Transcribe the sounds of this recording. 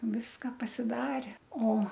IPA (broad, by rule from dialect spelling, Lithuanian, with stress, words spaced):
ˈʋʲɪskɐ pɐsʲɪˈdɑːrʲɛ ˈoː